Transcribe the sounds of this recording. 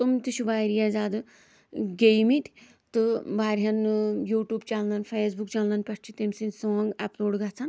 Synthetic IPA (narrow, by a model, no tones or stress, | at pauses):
t̪umt̪it͡ʃʰubaːɾijaːzaːd̪ɨ | ɡejmit̪ʲ | t̪ɨbaːɾɦɐnjuːʈjuːbt͡ʃalnɐnfʰeːs̬bukt͡ʃalnɐnpʲɐʈʰt͡ʃʰit̪emsinsoːŋɡaploːɖɡat͡sʰan